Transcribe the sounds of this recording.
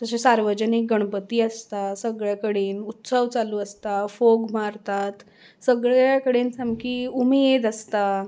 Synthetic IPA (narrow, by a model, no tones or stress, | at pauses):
t̪əsesaɾʋəd͡ʑənik̚ɡəɽ̃pət̪iːəst̪asəɡɭjakəɽeːnut̪səʋt͡saluːəst̪afoɡmaɾt̪at̪ | səɡɭjakəɽeːnsamkiːumeed̪əst̪a